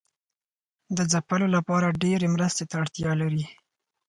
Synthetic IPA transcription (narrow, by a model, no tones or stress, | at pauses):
d̪əzapəlolapɑɾaɖeɾemɾəst̪et̪aːɽt̪jɑlaɾi